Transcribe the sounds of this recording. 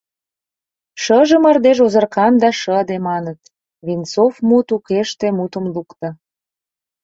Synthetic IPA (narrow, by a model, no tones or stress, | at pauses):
ʃəʒə̆mɑrd̪eʒozərkɑmd̪ɑʃəd̪emɑnət̪ | βint͡sofmut̪ukeʃt̪emut̪ə̆mlukt̪ə̆